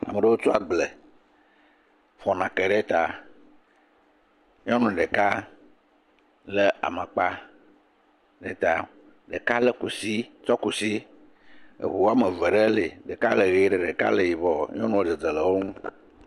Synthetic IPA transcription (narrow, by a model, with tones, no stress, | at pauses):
a̰˨mə˨ɖə˦wo˦t͡ʃu˦a˨ɡ͡ble˨ | fɔ˨nã˨ke˨ɖe˦t̪a˨ | ɲ˦ɔ̃˦nũ˨ɖə˨ka˦ | lə˦a̰˨mə̃˨k͡pa˦ | ɖe˦t̪a˨ | ɖə˨ka˦lə˦ku˨si˦t͡ʃɔ˦ku˨si˦ | ḛ˨ɦu˨wa˦mə˨və˨ɖe˦le˨ɖə˨ka˦lə˨ɣe˨˦ɖə˨ɖə˨ka̰˦lə˨ji˨bɔ˨ɲ˦ɔ̃˦nũ˦wo˦d͡zə˨d͡zə˨lə˨wo˦ŋũ˦